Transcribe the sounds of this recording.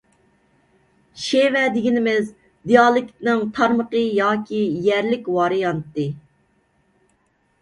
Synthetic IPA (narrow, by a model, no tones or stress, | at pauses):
ʃewɛd̪ɪɡʲinɪmɪz | d̪ijɑlˠɪkʲt̪nɨŋt̪ʰɑɾməqəjɑːkʲijæɾlɪkʲwɑːɾɨjɑnt̪ːɨ